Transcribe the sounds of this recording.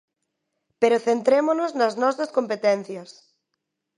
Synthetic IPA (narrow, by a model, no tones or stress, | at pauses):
peɾʊθent̪ɾemonʊznɐznɔsɐskompet̪ɛn̟θjɐs